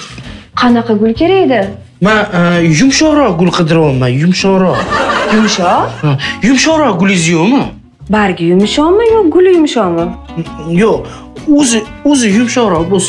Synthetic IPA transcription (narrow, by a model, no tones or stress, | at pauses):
qʰɑnɑqʰɑɡʊlˠkʲʰeɾaed̪ɪ | manjʊmʃɒɾɒɡʊlˠqʰɨd̪ɪɾɒmːajʊmʃɒɾɒjʊmʃɒhajʊmʃɒɾɒɡʊlɪzjomɪ | baɾɡʲɪjʊmʃɒmɪjoɡʊlɪjʊmʃɒma | joq | ɵzɪɵzɪjʊmʃɒɾɒbos